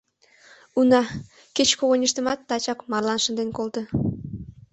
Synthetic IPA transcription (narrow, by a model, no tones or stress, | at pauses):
unɑ | ket͡ɕkoɣonʲiʃt̪ə̆mɑt̪ːɑt͡ɕɑkmɑrlˠɑnʃə̆nd̪enkolt̪ə̆